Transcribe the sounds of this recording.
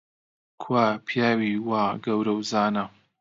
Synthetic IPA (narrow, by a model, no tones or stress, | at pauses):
kʰwaːpʰjaːwiːwaːɡɐwɾɐwzaːnɐ